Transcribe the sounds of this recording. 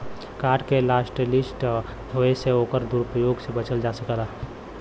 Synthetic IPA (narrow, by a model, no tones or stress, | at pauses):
kaɖkelasʈlisʈ | ɦoeseokəɾd̪uɾupəjoɡsebət͡ʃəld͡ʒasəkəla